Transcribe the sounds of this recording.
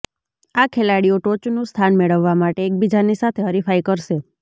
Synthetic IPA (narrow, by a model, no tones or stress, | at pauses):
akʰelaɽioʈot͡ʃnũst̪ʰanmeɭəʋːamaʈeːk̚bid͡ʒanisat̪ʰeɦəɾifaikəɾʃe